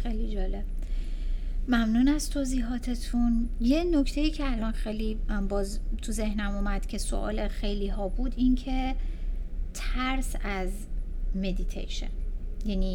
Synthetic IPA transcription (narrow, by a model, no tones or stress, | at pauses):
xejlid͡ʒɒːle̞b̥̚ | mæmnunæst̪ʰoːziːɦɒːt̪ʰe̞t̪ʰunje̞nokʰt̪ʰe̞jiːcʰeælɒnxejlibɒːzt̪ʰuze̞hnæmumæd̪̥cʰe̞so̰ʔɒ̰ːlexe̞jliːɦɒːbuːd̪incʰe̞ | t̪ʰæɾsæz | me̞d̪it̪ʰḛjʃḛnjæniː